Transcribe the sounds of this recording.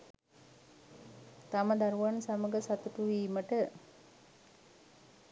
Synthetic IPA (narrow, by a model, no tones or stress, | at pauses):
t̪aməd̪ɐɾuʋansaməɡəsat̪uʈuʋiːməʈə